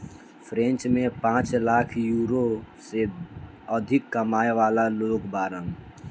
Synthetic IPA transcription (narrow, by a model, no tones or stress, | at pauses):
pʰɾɛ̃t͡ʃmẽpãːt͡ʃlaːkʰjuːɾose | əd̪ʱɪkːəmaːeʋaːlaloːɡbaːɾən